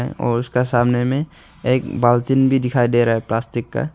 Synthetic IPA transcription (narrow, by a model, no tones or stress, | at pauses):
ɛ̃ɔ̰ːɾʊskasaːmnemẽ | eːkbaːlt̪ɪnbʱid̪ɪkʰaːid̪eɾaɦɛplaːstɪkːa̰